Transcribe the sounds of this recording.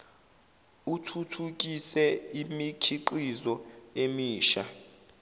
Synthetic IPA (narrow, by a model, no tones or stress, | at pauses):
utʰutʰuk̬ʼisɛimikʰiǃizɔemiːʃa